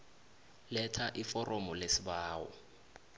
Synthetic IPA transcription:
lɛtʰaʔifɔrʔomɔlesiɓaːwɔ̰

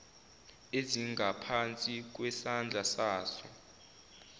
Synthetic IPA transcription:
eziŋɡʱapʰant͡sʼik̬ʼwɛsand͡ɮʱasaːsɔ

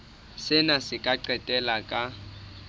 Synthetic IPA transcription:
sɪnasɪkʼaǀɛtʼɛlakʼa

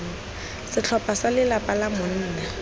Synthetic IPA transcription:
sɪt͡ɬʰɔpʼasalɪlapʼalamʊn̩ːna

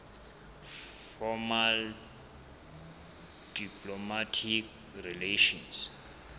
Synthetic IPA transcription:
fɔmal | d̥ipʰlɔmatʰik | rileʃɔns

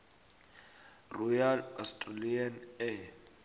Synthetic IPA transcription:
rɔjalastʼralianɛ

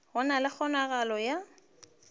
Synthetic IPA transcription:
hʊnalɪk͡xʰɔnaɣalɔja

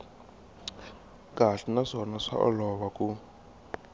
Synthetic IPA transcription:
kʼaɬinaʂɔnaʂa̰ʔɔ̰lɔβakʼu

